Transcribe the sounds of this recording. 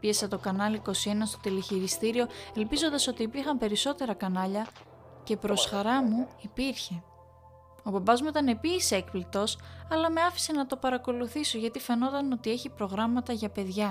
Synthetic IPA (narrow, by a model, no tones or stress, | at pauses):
piesɐt̪o̞kɐnɐliko̞sie̞nɐst̪o̞t̪iliçiɾist̪iɾio̞e̞lpizo̞nd̪ɐso̞t̪iːpiɾxɐmpe̞ɾiso̞t̪e̞ɾɐkɐnɐʎɐ | ce̞pɾo̞sxɐɾɐmuipiɾçe̞ | o̞bɐbɐzmuit̪ɐne̞pisekplik̚t̪o̞sɐlɐme̞ɐfi̥se̞nɐt̪o̞pɐɾɐko̞luθiso̞ʝɐt̪ife̞no̞t̪ɐno̞t̪ie̞çipɾo̞ɣɾɐmɐt̪ɐʝɐpe̞ðʝɐ